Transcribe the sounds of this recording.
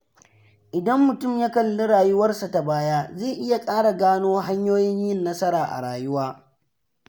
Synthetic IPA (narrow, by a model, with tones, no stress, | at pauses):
ʔɪ˨dɐ˦mːʊ˨tʊ˦˨mja˦kɐ˨lːo˦ɽaː˨jʊ˦wɐ˦rsa˨ta˨baː˦jaː˦zeː˦˨ʔɪ˦ja˨kʼaː˦ɽa˨ɡaː˦noː˦ɦa˦ɲjoː˦jɪ˦ɲjɪ˦nːɐ˦sɐ˦ɾaː˨ʔa̰˨ɽaː˨jʊ˦waː˦